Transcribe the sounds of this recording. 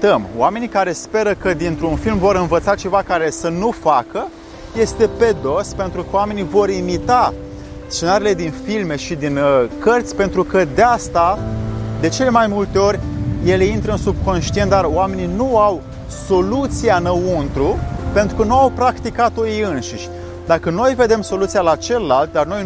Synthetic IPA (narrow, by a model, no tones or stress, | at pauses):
t̪əmo̰wame̞nikaɾe̞spe̞ɾəkəd̪int̪ɾunfilmvo̞ɾɨnvət̪sat͡ʃe̞vakaɾe̞sənufakə | je̞st̪e̞pe̞d̪o̞spe̞nt̪ɾukəowame̞nivo̞ɾimit̪a | st͡ʃe̞naɾile̞d̪infilme̞ʃid̪inkərt̪sʲpe̞nt̪ɾukəd̪east̪ad̪e̞t͡ʃe̞le̞majmult̪e̞o̞rʲje̞le̞int̪ɾəɨnsub̚ko̞nʃt̪ient̪̚d̪aroame̞nijnuaw | so̞lut̪sijanəunt̪ɾupe̞nt̪ɾukənuawpɾakt̪ikat̪ojejɨnʃiʃʲ | d̪akəno̞jve̞d̪e̞mso̞lut̪sijalat͡ʃeləlalt̪̚d̪arno̞j